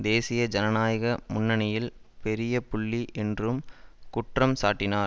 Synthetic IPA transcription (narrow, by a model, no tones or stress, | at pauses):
d̪eːsɪjɐd͡ʒɐnɐnaːjɐɣɐmʊnːɐnɪjɪlpɛɾɪjɐpʊɭːiʔɛndrɯmkʊʈrɐmsaːʈːɪnaːɾ